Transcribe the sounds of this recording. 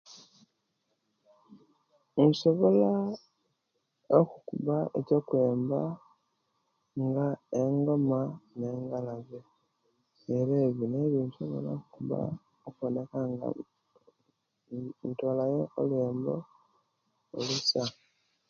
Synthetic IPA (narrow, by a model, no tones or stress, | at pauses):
nso̞βola | okukuβaʔecokwe̞ːmba | ŋɡaeŋɡo̞mane̞ːŋɡalaβe | eɾeːβjine̞βjinsoβo̞̰la̰kukuβa̰ | okonekaŋɡa̰ | ntoːlajeʔo̰leːmbo | olusa